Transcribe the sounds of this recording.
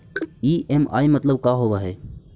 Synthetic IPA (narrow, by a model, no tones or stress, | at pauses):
iːʔeːma̰ːimət̪ləbkaːɦoːʋaːɦeː